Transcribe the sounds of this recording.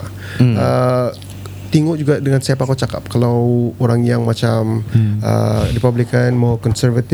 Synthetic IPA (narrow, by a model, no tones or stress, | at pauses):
ə | t̪iŋʊʔd͡ʒuɡaʔdəŋansiapakawt͡ʃaka̰p̚kalawoɾaŋjaŋmat͡ʃamə̰ripablikanmɔkɔnsərvat̪